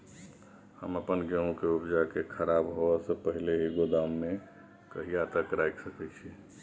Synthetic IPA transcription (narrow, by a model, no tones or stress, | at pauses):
həməpənɡəõkeupd͡ʒakekʰəɾabɦoɛsə̃pəɦileɦiɡod̪amːe | kəɦijat̪əkɾajksəkɛt͡ʃʰi